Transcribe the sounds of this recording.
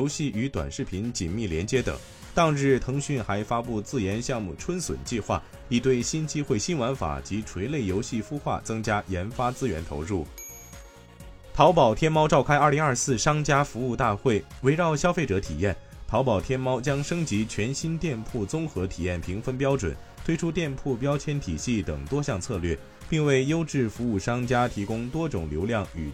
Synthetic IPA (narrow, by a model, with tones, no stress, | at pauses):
o˧˥ɕi˥˩y˧˥t̪wa̰˨˩nʂɻ̩˥˩pʰi˧˥nt͡ɕḭ˨˩nmi˥˩ljɛ˧˥nt͡ɕjɛ˥t̪ɤ̰˨˩˦ŋ | t̪ɑ˥˧ŋɻɻ̩˥˩t̪ʰɤ˧˥ŋɕy˥˩nxa˧˥ɪfa˥pu˥˧t͡sɹ̩˥˩jɛ˧˥nɕjɑ˥˧ŋmu˥˩ʈ͡ʂʰwə˥nswə̰˨˩nt͡ɕi˥˧xwa̰˥˩ | i˥˩t̪̬we˥˩ɪɕi˥nt͡ɕi˥xwe˥˩ɪɕi˥nwa˧˥nfa̰˨˩t͡ɕi˧˥ʈ͡ʂʰwe˧˥ɪle˥˩ɪjo˧˥ʊɕi˥˩fu˥xwa̰˥˩t͡sɤ˥ŋt͡ɕja˥jɛ˧˥nfa˥t͡sɹ̩˥ɥɛ̰˧˥nt̪ʰo̰˧˥ʊɻu˥˩ | pʰɑ˧˥ʊpɑ˨˩ʊt̪ʰjɛ˥nmɑ˥ʊʈ͡ʂɑ˥˩ʊkʰa˥ɪɐ˞˥˩li˧˥ŋɐ˞˥˧sɹ̩˥˩ʂɑ˥ŋt͡ɕja˥fu˧˥u˥˧t̪a˥˧xwe˥˩ɪwe˧˥ɪɻɑ˥˩ʊɕjɑ˥ʊfe˥˩ɪʈ͡ʂɤ˧˥t̪ʰḭ˨˩jɛ˥˩n | pʰɑ˧˥ʊpɑ˨˩ʊt̪ʰjɛ˥nmɑ˥ʊt͡ɕjɑ˥ŋʂɤ˥ŋt͡ɕi˧˥t͡ɕʰɥɛ˧˥nɕi˥nt̪jɛ˥˧npʰu˥˩t͡sʊ˥ŋxɤ˧˥t̪ʰi˨˩jɛ˥˩npʰi˧˥ŋfə˥np̬jɑ˥ʊʈ͡ʂwə̰˨˩˦n | t̪ʰwe˥ɪʈ͡ʂʰu˥t̪jɛ˥˧npʰu˥˩p̬jɑ˥ʊt͡ɕʰjɛ˥nt̪ʰi˨˩ɕi˥˩t̪ə̰˨˩ŋt̪wɔ˥ɕjɑ˥˧ŋt͡sʰɤ˥˧lɥɛ̰˥˩ | pi˥˧ŋwe˥˩ɪjo˥ʊʈ͡ʂɻ̩˥˩fu˧˥u˥˩ʂɑ˥ŋt͡ɕja˥t̪ʰi˧˥kʊ˥ŋt̪wɔ˥ʈ͡ʂʊ˨˩ŋljo˧˥ʊljɑ˥˩ŋy˨˩